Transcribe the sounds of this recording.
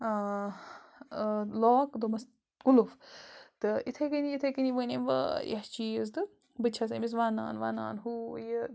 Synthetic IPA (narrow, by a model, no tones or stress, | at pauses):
loːkd̪omɐs | kuluft̪ɨit̪ʰekiniit̪ʰekiniʋənḛmʋɐ̰jɐht͡ʃiz̬d̪ɨ | bɨt͡ʃʰɐsɐmis̬ʋaːna̰ːnʋa̰ːna̰ːnɦujə